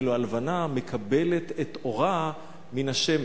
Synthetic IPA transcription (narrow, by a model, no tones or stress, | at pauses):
loalvanamekʰabelet̪et̪o̞ʁa | minaʃem